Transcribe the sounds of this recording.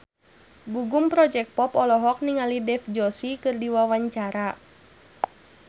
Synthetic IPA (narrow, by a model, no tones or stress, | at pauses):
ɡuɡumpɾɔd͡ʒɛk̚pɔpɔlɔɦɔk̚niŋalidɛfd͡ʒɔsikɨrdiwawaɲt͡ʃaɾa